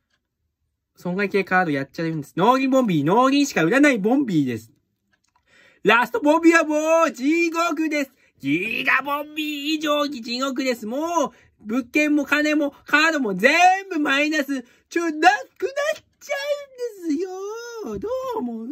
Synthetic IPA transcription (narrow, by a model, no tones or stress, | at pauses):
sõ̞ŋɡaike̞ːkaːd̪o̞jat͡ɕːaɯ̟nd̪e̞sɨno̞ːɡʲĩbõ̞mbʲino̞ːɾʲĩɕi̥kaɯ̟ɾanaibõ̞mbʲiːd̪e̞sɨ̥ | ɾasɨ̥t̪o̞bõ̞mbʲiβamoːd͡ʑiɡok̬ɯ̟d̪e̞sɨ̥ | ɡ̥ʲiɡ̪abõmbʲiːʑoːɲʲid͡ʑiɡo̞k̬ɯ̟d̪e̞sɨmoː | bɯ̟kːẽ̞mːo̞kane̞mo̞kaːd̪o̞mo̞ze̞mbɯ̟mainasɨ | t͡ɕonakɯ̟na | t͡ɕaɯnd̪esɨjod̪oːmo